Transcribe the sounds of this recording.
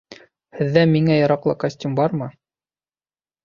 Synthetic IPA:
hɘ̆ðːæmiŋæjɑ̆ɾɑqlˠɤkɐsʲtʲumbɑɾmɤ

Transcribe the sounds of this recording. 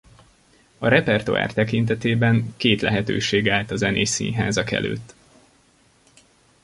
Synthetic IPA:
ɒɾɛpɛrt̪oa̰ːrt̪ɛkint̪ɛt̪eːbɛŋkeːt̪lɛ̰ɦɛt̪ø̰ːʃeːɡaːlt̪ɒzɛneːsḭnɦaːzɒkɛ̰lø̰ːt̪ː

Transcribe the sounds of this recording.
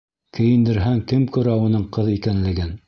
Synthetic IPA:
kɘ̆jɘ̆nd̪ɘ̆ɾɦæŋkɘmkʉ̆ɾæwɤ̆nɤɴqɤðikænlɘ̆ɡɘn

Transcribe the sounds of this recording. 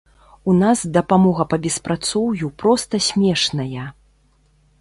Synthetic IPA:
unasd̪ɐpamɔɣɐpɐbʲɛspɾat̪sɔwjupɾɔst̪ɐsʲmʲɛʂnɐjɐ

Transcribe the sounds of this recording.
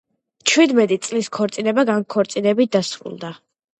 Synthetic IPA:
t͡ʃʰwid̪mɛt̪ʼit̪sʼliskʰɔɾt̪sʼinɛbaɡaŋkʰɔɾt̪sʼinɛbit̪̚d̪asɾṵlˠd̪a

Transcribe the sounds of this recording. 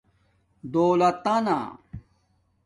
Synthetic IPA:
d̪oːlɐt̪ɐna̰

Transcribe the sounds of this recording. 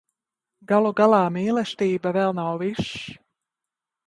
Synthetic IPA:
ɡalˠuɡalˠaːmiːlɛst̪iːbavɛlˠnawviʃ

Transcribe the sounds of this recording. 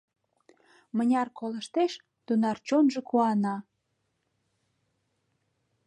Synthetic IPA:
mənʲɑrkoləʃt̪eʃ | t̪unɑrt͡ɕonʒekuɑnɑ

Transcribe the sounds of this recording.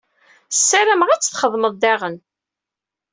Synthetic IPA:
sːæɾæmʁæt͡sːθχəðˤːməðˤd̪æʁən

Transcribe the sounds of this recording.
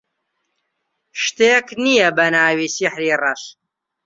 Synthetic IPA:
ʃt̪eːknijɐbɐnaːwiːsiħɾiːrɐʃ

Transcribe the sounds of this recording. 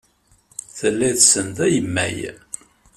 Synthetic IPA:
θəlːæðsənt̪æjəmːæ̰j

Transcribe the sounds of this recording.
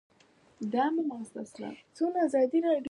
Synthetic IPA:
d̪amamast̪asla̰t͡sunaazɑd̪iɾɑɖ

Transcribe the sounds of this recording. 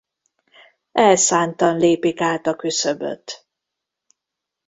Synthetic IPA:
ɛlsaːnt̪ɒnleːpikaːt̪ɒkysøbø̰t̪ː

